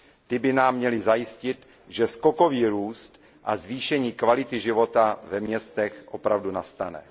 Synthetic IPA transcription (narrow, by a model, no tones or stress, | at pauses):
t̪ɪbɪnaːmːɲɛlɪzajɪscɪt̪ | ʒɛskoko̞viːɾuːst̪ | ʔazviːʃɛɲiːkvalɪt̪ɪʒɪvo̞t̪avɛmɲɛst̪ɛxʔopɾavdunast̪anɛ̰